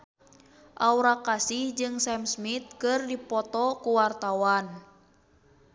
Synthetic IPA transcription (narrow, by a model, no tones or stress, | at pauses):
ʔauɾakasihd͡ʒɨŋsɛmsmit̪̚kɨrdipɔt̪ɔkuwart̪awan